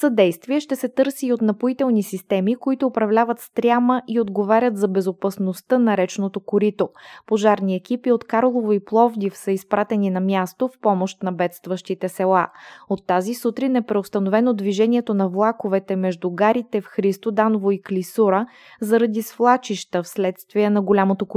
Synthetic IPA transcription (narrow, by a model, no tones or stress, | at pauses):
sɐd̪ɛjst̪viɛʃt̪ɛsɛt̪ɤɾsiot̪nɐpoit̪ɛlˠnisist̪ɛmikoit̪ʊːpɾɐvlʲavət̪st̪ɾʲjaməʔiod̪ɡovaɾʲət̪zɐbɛzopɐsnost̪ənɐɾɛt͡ʃnot̪okoɾit̪opoʒaɾniɛkipiot̪kaɾolˠovoiplˠɔvd̪ifsəispɾat̪ɛninɐmʲjast̪ofpɔmoʃt̪nɐbɛt̪st̪vəʃt̪it̪ɛsɛlˠaot̪ːazisut̪ɾinɛpɾɛost̪ɐnovɛnod̪viʒɛniɛt̪onɐvlˠakovɛt̪ɛmɛʒd̪uɡaɾit̪ɛfxɾist̪od̪anovoiklisuɾə | zɐɾɐd̪isflˠat͡ʃiʃt̪əfslɛt̪st̪viənɐɡolʲamot̪ok